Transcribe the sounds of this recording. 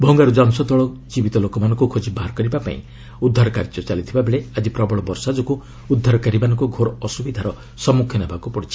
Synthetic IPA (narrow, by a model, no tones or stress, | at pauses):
bʱɔŋɡaɾud͡ʒansɔd̪ɔɭɔd͡ʒibit̪ɔlokɔmanɔ̃ŋkukʰod͡ʒibaɦaɾkɔɾibapa̰ḭ̃ | ud̪ʱːaɾɔka̰ɾid͡ʒɔt͡ʃalit̪ʰibabʱeɭead͡ʒipɾɔbɔɭɔbɔɾsad͡ʒɔku | ud̪ʱːaɾɔkaɾimanɔŋkuɡʱoɾɔːsubid̪ʱaɾɔ | sɔmukʰjɔnabʱakupɔɽit͡ʃʰi̥